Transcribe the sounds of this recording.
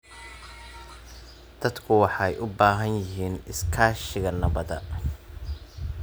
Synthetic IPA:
d̪̥ɐd̪kʰʊwɑħɑjʔʊbaːɦɐnjɪɦiːnɪskʰaːʃɪɣɐnɐβɐðɐ̰

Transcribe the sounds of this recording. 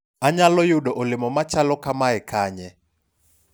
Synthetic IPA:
aɲalɔjuɗɔʔʊlɪmɔmat͡ʃalɔkamaɛkʰaːɲɛ

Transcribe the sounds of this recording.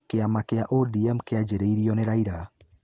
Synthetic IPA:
keamakeaʔodiɛmkead͡ʒeɾeiɾiɔneɾaiɾa

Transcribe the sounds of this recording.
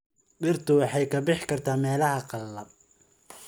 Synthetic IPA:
ɖɪrt̪ʰʊwɑħɑjkʰɐbɪħkʰɐrt̪ʰaːmɛːlɐhɐqɑlːɐb̚

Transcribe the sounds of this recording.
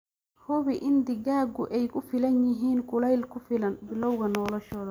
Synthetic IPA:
hʊβiʔɪnd̪ɪɡaːɡʊʔɛjkʊfɪlɐnjɪɦiːnkʊlɐjlkʊfɪlɐnbɪlɔwɣɐnɔːlɔʃɔːðɐ

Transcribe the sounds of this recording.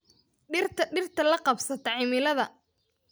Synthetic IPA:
ɖɪrt̪ʰɖɪrt̪ʰɐlɐqɑbsɐt̪ʰɐʕɪmɪlɐðɐ

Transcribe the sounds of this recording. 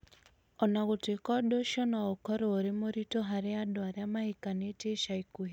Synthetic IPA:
ɔnaɣotekɔdoʃɔnɔokɔɾooɾemoɾitoɦaɾɪadɔaɾjamahikaneteʃaikuɦi

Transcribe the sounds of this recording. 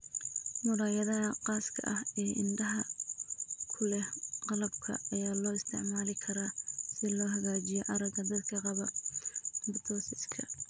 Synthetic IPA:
mʊɽaːjɐðɐɦɐqɑːskʰɐ̰ʔɐɦɛːʔɪndɐɦɐ | kʰʊlɛqɑlɐbkʰɐ̰ɐjaːlɔːɪst̪ʰɪ̰ʕmaːlɪkʰɐɾasɪlɔːɦɐɣaːt͡ʃɪjɔʔɐɾɐɡɐd̪ɐd̪kʰɐqɑβɐ | bɪt̪ʰɔːsɪskʰɐ

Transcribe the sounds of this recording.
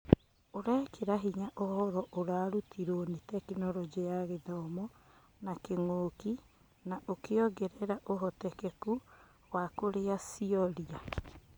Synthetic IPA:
oɾɛkeɾaɦiɲaʔohɔɾɔʔoɾaːɾutʰiɾonitɛkenɔɾɔd͡ʑeaɣeðɔmɔ | nakeŋoːki | naʔokeɔɡɛɾɛɾaʔoɦɔtɛkɛku | wakoɾeasiɔɾia

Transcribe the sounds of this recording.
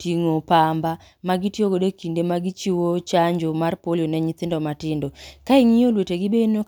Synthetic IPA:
tiŋopamba | maɡitjoɡodekindemaɡɪt͡ʃiwot͡ʃaɲd͡ʒomarpoljonɛɲit̪ɪndɔmatɪndokaɪŋijolweteɡɪbeno

